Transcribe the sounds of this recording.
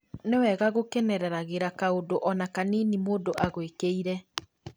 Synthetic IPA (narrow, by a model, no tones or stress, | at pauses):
newɛɣaɣokɛnɛɾɛɾaɣeɾakaodoʔɔnakaniːnimoːdoʔaɣwekeiɾɛ